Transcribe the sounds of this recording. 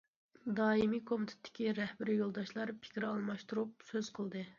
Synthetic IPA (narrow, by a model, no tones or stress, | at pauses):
d̪ɑːimikʰomɪt̪ʰɪ̥t̪ʰːɪ̥kʲiɾɛhbɪɾɪjolˠd̪ɑʃlˠɑɾpʰɪ̥kʲɾɑlˠmɑʃt̪uɾup̚søz̥qʰəlˠd̪ɨ